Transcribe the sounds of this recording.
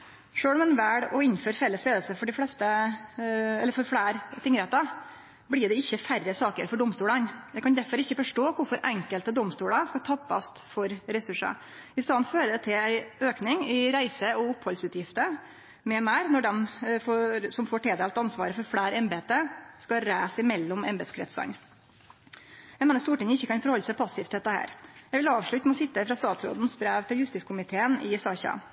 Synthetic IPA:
ʂøːɽɔmɛnʋæːɽɔɪnføːɾfɛlːəsleːd̪l̩səfɔɖɪflɛst̪ə | ɛlːəɾfɔɾfɽæːɾt̪ɪŋɾɛt̪ɑ | blɪɖ̪ɛɪçːəfærːəsɑːkə̰ɾfɔɖɔmst̪uːlɑnjæɪkɑnd̪æɾfɔɾɪçːəfɔʂʈoːkʊɾfɔɾʔɛŋkəlt̪əd̪ɔmst̪uːlɑskɑt̪ʰɑpːɑ̰st̪fɔɾɾɛsʉʂɑ̰ | ɪst̪ɑːnføːɾəd̪ɛt̪ʰɪlæɪøːknɪŋɪɾæɪsəɔʊphɔlsʉːt̪jɪft̪ə | mɛmæːɾnɔɖɛmfosɔmfoːʈeːd̪eːlt̪ɑnsʋɑ̰ːɾəfɔɾfɽæːɾɛmbeːt̪əskɑɾæːsɪmɛlːʊmɛmbɛd̪skʰɾɛt̪sɑ̰n | jæɪmeːnəst̪uːʈɪŋəɪçːəkɑnfɔɾhɔlːəsæɪpʰɑsɪft̪ʰɛt̪ːəhæ̰ːɾjæʋɪlɑːʋʂɭʉt̪n̩ɔsɪt̪ːəfɾɑst̪ɑːt̪sɾo̰ːd̪n̩sbɾæːʋt̪ʰɪljʉst̪ɪskʰʊmɪt̪ʰeːənɪsɑçɑ̰

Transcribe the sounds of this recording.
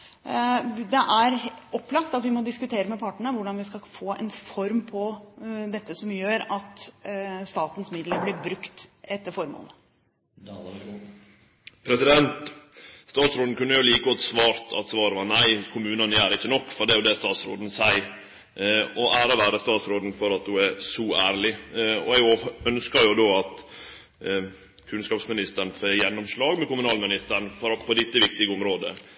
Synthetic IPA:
d̪ɛʔæɾɔpːlɑkt̪ɑt̪ʋɪmɔd̪ɪskʉt̪ʰeːɾəmɛpɑʈəɳəʋʊɖɑnʋɪskɑfoːɛ̰nfɔɾmpʰɔd̪ɛt̪ːəsɔmjøːɾɑt̪ | st̪ɑːt̪n̩smɪd̪ləɾblɪɾbɾʉkt̪ɛt̪ːəɾfɔɾmṵlə | pʰɾɛsɪd̪ɛnt̪st̪ɑːt̪sɾoːd̪n̩kʉnːəjʊliːkəɔt̪sʋɑːɾt̪ʰɑ̰t̪sʋɑːɾəʋɑɾnæɪkʰʊmʉːnɑnjæːɾɪçːənɔkːfɔɾɖ̪ɛjʊd̪ɛːst̪ɑːt̪sɾo̰ːd̪n̩sæɪ | ɔʔæːɾɔʋæːɾəst̪ɑːt̪sɾoːd̪n̩fɔɾɑt̪̚d̪ʉɛɾsɔæːɾlɪɔ̰ɛɡœnskɑɾjʊd̪oːɑt̪ | kʰʉnskɑːpsmɪnɪst̪əɾn̩føjɛnːɔmʂlɑːɡmɛkʊmʉnɑːlmɪnɪst̪əɾɳfɔɾɑpʰɔd̪ɪt̪ːəʋɪkt̪ɪɡəʊmɾoːd̪ə̰

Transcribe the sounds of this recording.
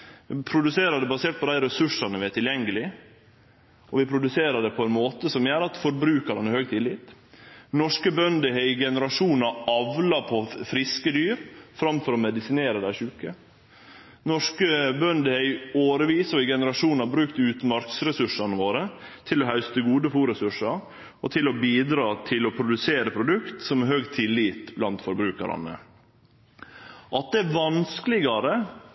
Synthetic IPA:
ʋɪpʰɾʊd̪ʉseːɾəd̪ɛbɑseːʈ̚pʰɔd̪æɪɾɛsʉʂɑnəʋɪæʈ̪ɪljɛŋɡəlɪ | ɔʋɪpʰɾʊd̪ʉseːɾɑd̪ɛpʰɔɛnmoːt̪əsɔmjæːɾɑt̪fɔɾbɾʉːkɑɾɛnɛhøːɡ̚t̪ʰɪlːɪt̪nɔʂkəbœnd̪əɦɛɪɡɛnəɾɑʂuːnɑɑʋlɑpʰɔfɾɪskəd̪yːɾfɾɑmfɔɾɔmɛd̪ɪsɪneːɾəd̪æɪʂʉːkə | nɔʂkəbœnd̪əhɛɪoːɾəʋiːsɔɪɡɛnəɾɑʂuːnɑbɾʉːkt̪ʉːt̪mɑɾksɾɛsʉʂɑnəʋoːɾət̪ʰɪlɔɦɑʉst̪əɡuːd̪əfuːɾɛsʉʂɑɾ | ɔt̪ʰɪlɔbiːd̪ɾɑːt̪ʰɪlɔpʰɾʊd̪ʉseːɾəpʰɾʊd̪ʉkt̪sɔmɛhøːɡt̪ʰɪlːiːt̪blɑnt̪fɔɾbɾʉːkɑ̰ɾɑ̰nə̰ | ʔɑt̪̚d̪ɛæʋɑnskəlɪɡɑɾə

